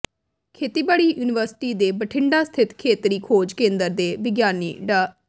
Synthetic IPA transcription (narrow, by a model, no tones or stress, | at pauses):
kʰeːt̪iːbaːɽiːjuːnɪʋəɾsɪ̥ʈiːd̪eːbəʈʰɪɳɖaːst̪ʰɪt̪kʰeːt̪ɾiːkʰoːd͡ʒkẽːnd̪əɾd̪eːʋɪɡjaːniːɖaː